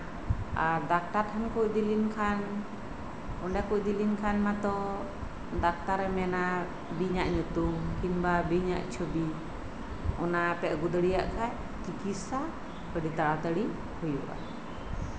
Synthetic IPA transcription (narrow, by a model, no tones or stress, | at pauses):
aɾdak̚t̪aɾtʰankuc̚d̪ilinkʰan | ɔɳɖakuc̚d̪ilinkʰanmat̪ɔ | dak̚t̪aɾɛmɛna | biɲaʔɲut̪umkinbabiɲa̰ʔt͡ʃʰubi | ɔnapɛʔɡud̪əɽijaʔkʰaj | kikisa | kəɖit̪aɽat̪əɽi | hujṵʔa̰